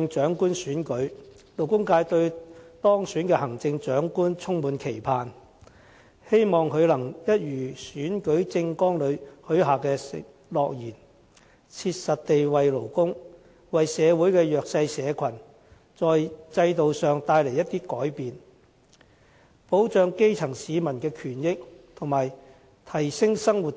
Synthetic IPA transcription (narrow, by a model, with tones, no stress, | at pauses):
ŋt͡ʃœː˨˥ŋkuː˥nsyː˨˥nkɵ˨˥ɥlo˨˩wkʊ˥ŋkaː˧jt̪ɵ˧ɥt̪ɔː˥ŋsyː˨˥nkɛː˧hɐ˨˩ŋt͡sɪ˧ŋt͡ʃœː˨˥ŋkuː˥nt͡sʰʊ˥ŋmuː˨˧nkʰe˨˩jpʰaː˨n | he˥jmɔː˨˩ŋkʰɵ˨˧ɥlɐ˨˩ŋjɐ˥t̚jyː˨˩syː˨˥nkɵ˨˥ɥt͡sɪ˧ŋkɔː˥ŋlɵ˨˧ɥhɵ˨˥ɥɦaː˨kɛː˧sɪ̰˨ | lɔː˨k̚jiː˨˩n | t͡sʰiː˧t̚sɐ˨t̚t̪e˨jwɐ˨jlo˨˩wkʊ˥ŋ | wɐ˨jsɛː˨˧wuː˨˥jkɛː˧jœː˨k̚sɐ˧jsɛː˨˧kʰɐ˨˩n | t͡sɔː˨jt͡sɐ˧jt̪o˨wsœː˨ŋt̪aː˧jle˨˩jɐ˥t̪iː˥kɔː˨˥jpiː˨n | po˨˥wt͡ʃœː˨˧ŋke˥jt͡sʰɐ˨˩ŋsiː˨˧mɐ˨˩nkɛː˧kʰyː˨˩njɪ˥k̚t̪ʰʊ˨˩ŋmaː˨˩j | t̪ʰɐ˨˩jsɪ˥ŋsɐ˥ŋwu˨t̚